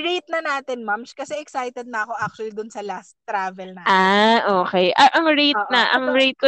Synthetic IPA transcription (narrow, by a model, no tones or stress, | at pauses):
ɹejt̪̚nɐnaːt̪ɛnmamskɐsɛʔɛksajt̪ɛd̪̚nɐʔɐko̞ʔak̚t͡ʃʊɐlid̪ʊnsɐlast̪ːɾaːvɛlnɐʔaʔoːkɛjʔɐŋʔɐŋɹejt̪̚nɐʔɐŋɹejt̪̚ko